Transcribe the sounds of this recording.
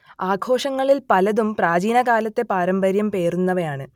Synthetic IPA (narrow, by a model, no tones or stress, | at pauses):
aːɡʱʰo̞ːʂɐŋːɐɭilpɐlɐðumpraːd͡ʑiːnɐkaːlɐt̪ːe̞paːɾɐmbɐɾjɐmpe̞ːrunːɐʋɐjaːɳɨ